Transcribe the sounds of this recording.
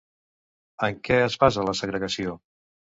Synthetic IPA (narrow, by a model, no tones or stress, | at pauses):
əŋkɛəzβazələsəɣɾəɣəsio